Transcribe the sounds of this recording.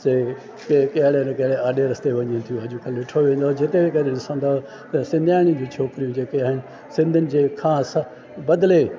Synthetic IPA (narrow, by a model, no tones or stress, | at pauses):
se | kekɐɦɪɽenkɐɦɪɽeaːɗeɾɐst̪eʋɐɲiẽnt̪ʰijũɐʄũkʰɐlʋɪʈʰoʋẽːn̆d̪od͡ʑɪt̪ebʱekɐɾeɗɪsə̃nd̪oːɦ | t̪ɐsɪ̃nd̪ʱjaːɪɽ̃id͡ʑũːt͡ɕʰoːkɪɾijũd͡ʑeːkeaːɦɪnɪ̆ | sɪ̃nd̪ʱʊnɪ̆d͡ʑeːkʰãːs | bɐd̪le